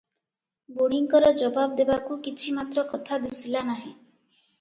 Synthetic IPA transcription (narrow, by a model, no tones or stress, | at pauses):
boɽ̤̃iŋkɔɾɔd͡ʒɔbabd̪ebakukit͡ʃʰimat̪ɾɔkɔt̪ʰad̪isilanaɦĩ